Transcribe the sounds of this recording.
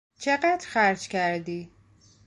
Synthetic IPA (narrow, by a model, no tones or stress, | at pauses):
t͡ʃʰeɢæd̪xæɾd͡ʒkʰæɾd̪iː